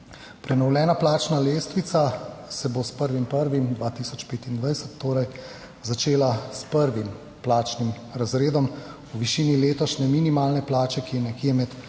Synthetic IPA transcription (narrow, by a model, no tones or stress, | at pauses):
pɾɛnɔwlɛːnaplaːt͡ʃnaleːst̪ʋit̪sasɛbospəɾʋimpəɾʋimd̪ʋaːt̪isɔt͡ʃpeːt̪ind̪ʋajsət̪ːoːɾɛj | zat͡ʃeːlaspəɾʋim | plaːt͡ʃnim | ɾazɾeːd̪ɔm | uʋiʃiːnileːt̪ɔʃnɛminimaːlnɛplaːt͡ʃɛkiɛnɛkiɛmɛt̪